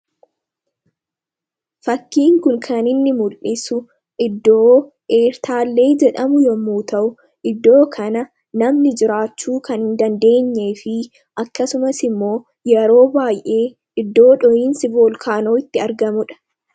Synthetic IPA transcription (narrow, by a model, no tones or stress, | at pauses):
fɐkːiːŋkʊŋkʰɐnɪnːɪmʊlʔɪsʊ | ʔɪd̪ːoː | ʔeːɾt̪aːlːe̞ːd͡ʒɛᶑɐmʊjɔmːuːt̪ɐʔʊ | ʔɪd̪ːo̞ːkʰɐnɐ | nɐmnɪd͡ʒɪɾaːt͡ʃːuːkɐnhɪnd̪ɐnd̪e̞ːɲːe̞ːfɪ | ʔɐkːɐsʊmɐsɪmːo̞ː | jɛɾo̞ːbaːjʔe̞ː | ʔɪd̪ːo̞ːᶑɔjiːnsɪboːlkʰaːnoːɪt̪ːɪɐɾɡɐmʊᶑɐ̥